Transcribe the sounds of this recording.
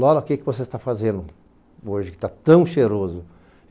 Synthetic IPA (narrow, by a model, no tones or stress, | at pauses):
lɔɾɐkɪkɪvos̬est̪afazẽnd̪ʊ | oʒɪkɪ̥t̪at̪ɐ̃w̃ʃeɾozʊ